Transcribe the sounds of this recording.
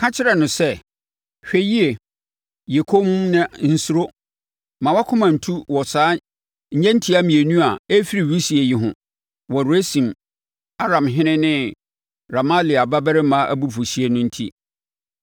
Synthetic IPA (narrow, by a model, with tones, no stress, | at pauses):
kʰã˦t͡ɕʰɪ˦ɾɛ˨nʊ̃˨sɛ˦˨ | ɕᶣɛ˦ji˦e˨ | je˨kʰo˦m̃˦nɪ̃˦n̩˦su˦ɾo˦ | mã˨wa˦kʰʊ̃˦mã˨n̩˨tʰu˦wɔ˨saː˨˦ | ɲ̩˨˦ɲɛ̃˦n̩˦tʰi˦a˦mĩ˨e˨nũ˦a˨e˦fi˦ɾi˨wi˦si˨e˨ji˨ɦʊ̰̃˨ | wɔ˨ɾu˨æ˦sĩ˨m | a˦ɾã˨mɦɪ̃˦nɪ̃˦nɪ̃˦ | ɾa˨ma˦li˨a˨ba˦bɛ˦ɾɪ˦mã˦ʔæ̰˦bu˦fu˨si˦e˨nʊ̃˦n̩˦tʰi˦